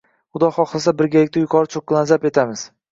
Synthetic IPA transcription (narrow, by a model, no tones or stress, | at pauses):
χʊd̪ɒχɒχlˠasabɪɾɡʲalɪkʲt̪ajʊkʰɒɾɪt͡ʃʰokːlˠanzape̞t̪ʰamɪz̥